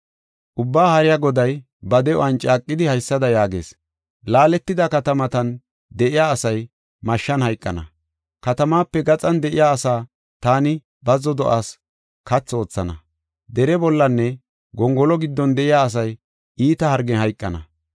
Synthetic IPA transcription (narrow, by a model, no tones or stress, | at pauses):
ʔʊbːaːhɐɾɪjaɡɔd̪ɐj | bɐd̪ɛɔ̰ʔɐnt͡ʃʼaːkʼːɪd̪ɪhɐjsːɐd̪ɐjaːɡe̞̰ːs | laːlɛt̪ːɪd̪ɐkɐt̪ɐmɐt̪ɐn | d̪ɛʔɪjaːsɐj | mɐʃːɐnhɐjkʼːɐ̰nɐ̰ | kɐt̪ɐmaːpːɛɡɐt͡sʼɐnd̪ɛʔɪjaːsaː | t̪aːnɪ | bɐzɔd̪ɔʔaːs | kɐt͡sːo̞ːt͡sːɐnɐ̰ | d̪ɛɾɛbɔlːɐnːɛ | ɡɔŋɡɔlɔɡɪd̪ːɔnd̪ɛʔɪjaːs̬ɐj | ʔiːt̪ɐhɐɾɡɛhɐjkʼːɐnɐ̰